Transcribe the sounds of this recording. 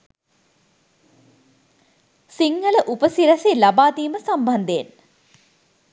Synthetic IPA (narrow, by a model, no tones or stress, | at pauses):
siŋːələʔupəsiɾɐselabaːt̪iːməsamband̪een